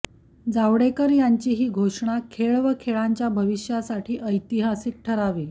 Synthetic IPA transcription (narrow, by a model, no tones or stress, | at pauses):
d͡zaʋɽekəɾjaɲt͡ɕiːɦiːɡʱoʂɳ̃akʰeɭʋəkʰeɭaɲt͡ɕjabʱəʋiʂjasaʈʰiːʔəjt̪iɦasik̚ʈʰəɾaʋi